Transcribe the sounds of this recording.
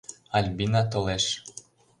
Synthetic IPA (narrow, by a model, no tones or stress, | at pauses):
ɑlʲbinɑt̪̬oleʃ